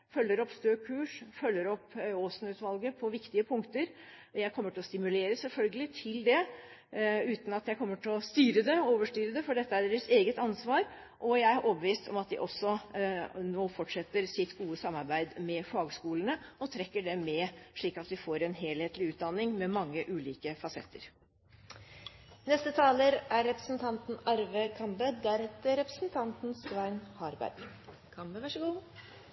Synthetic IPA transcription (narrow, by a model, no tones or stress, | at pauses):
fœlːəɾɔpst̪øːkʰʉːʂfœlːəɾɔpːoːsnʉːt̪ʋɑlɡəpʰɔʋɪkt̪ɪəpʰʊŋkt̪əɾ | jæɪkʰɔmːəʈʰɪlɔst̪ɪmʉleːɾəsɛlfœlɡəlɪt̪ʰɪld̪ɛ | ʉːt̪n̩ɑt̪jæɪkʰɔmːəʈʰɪlɔst̪yːɾəd̪ɛoːʋəʂʈyːɾəd̪ɛfɔɖɛt̪ːəæɖeːɾəəseːɡət̪ɑnsʋɑːɾ | ʔɔjæɪæɾʔoːbəʋiːst̪ʰɔ̰mɑt̪d̪ɪ̰ʔɔsːɔ | noːfɔʈʂɛt̪ːəɾsɪt̪ːɡuːəsɑmːɑɾbæɪd̪mɛfɑːɡskuːlənəɔt̪ʰɾɛkːəɖɛmɛʂɭiːkɑt̪ʋɪfoːɾɛnɦeːlheːt̪lɪʉːt̪̚d̪ɑnːɪŋmɛmɑŋːəʔʉːliːkəfɑsɛt̪ʰːə̰ɾ | nɛst̪ət̪ʰɑːləɾæɾːɛpɾəsn̩t̪ʰɑnt̪nɑɾʋəkʰɑmbəd̪æɾhɛt̪ːəɾɛpɾəsnt̪ʰɑnt̪n̩sʋæɪnhɑɾbæ̰ɾɡ | kʰɑmʂɡu